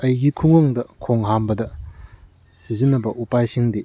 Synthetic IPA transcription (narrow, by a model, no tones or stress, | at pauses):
ɐjɡikʰuŋɐŋdɐkʰoŋɦambɐdɐ | sizinːɐbɐʔupajsiŋdi